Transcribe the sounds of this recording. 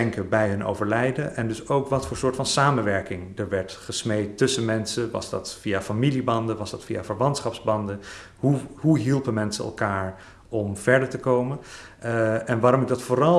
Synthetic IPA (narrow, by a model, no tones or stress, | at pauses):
ɛŋkəbɛjɦɵnʔo̰wvəɹlɛjdənɛndɵsowkʋɑtfʊːɹsʊːɹtfɑnsaːmənʋɛɹkɪŋdəɹʋɛɹtχəsmejtːɵsənmɛnsənʋɑ̰zdɑ̰tfiafamilibɑndəʋɑzdɑtfija̰vəɹʋɑntsχɑpzbɑndə | ɦuɦuɦilˠpəmɛnsəɛ̰lˠkaːɹ | ɔmv̥ɛɹdəɹtəkowmən | ɛnʋaːɾɔmɪɡ̚dɑtfʊːrɑlˠ